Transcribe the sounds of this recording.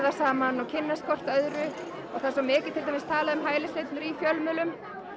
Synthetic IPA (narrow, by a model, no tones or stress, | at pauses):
ðasaːmanɔwcʰɪnːaskʰɔr̥t̪œðɾʏ | ɔɣθasɔmɪːcɪt̪ʰɪlt̪ajmɪst̪ʰaːlaʏmɦaːjlɪslejt̪nʏɾifjœlmʏːlʏm